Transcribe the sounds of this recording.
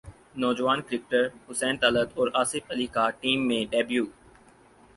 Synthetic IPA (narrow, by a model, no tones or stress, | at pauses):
nɔːd͡ʒəʋaːnkɪɾɪk̚ʈəɾhʊsɛːnt̪aləd̪ɔːɾaːsɪfəliːkaːʈiːmːẽːɖeːbjuː